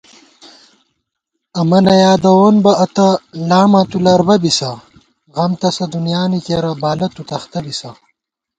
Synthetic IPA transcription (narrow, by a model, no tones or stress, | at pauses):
ɐmɐnɐjaːd̪ɐwoːnbɐɐt̪ɐlaːmaːt̪ulɐɾbɐbisɐ | ɣɐmt̪ɐsɐd̪unjaːnikeːɾɐbaːlɐt̪ut̪ɐxt̪ɐbisɐ